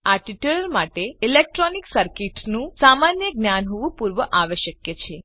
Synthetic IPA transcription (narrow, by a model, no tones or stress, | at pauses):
aʈiʈuəlmaʈeilek̚ʈɾɔniksəɾkiʈnũsamanjəɡnjanɦoʋũpuɾʋəʔaʋeʃəkjet͡ʃʰe